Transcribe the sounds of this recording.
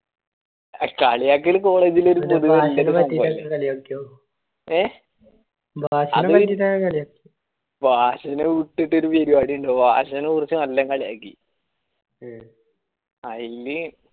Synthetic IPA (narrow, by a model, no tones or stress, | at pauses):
kaːɭijaːk̬ːilko̞ːɭeːd͡ʑilo̞ɾupoðuɣɐɭilːeiɐlːekɐɭiokːeo | eː | bʱaːɕɐnðɐtːitːaɐkaɭijakː | bʱaːɕɐneʋiʈːiʈːo̞ɾuʋeɾibaːɽijuɳɖoːba̰ːɕɐnekurɐt͡ɕːɨmɐlːɐŋkaɭija̰ːkːḭ | ɐjilːi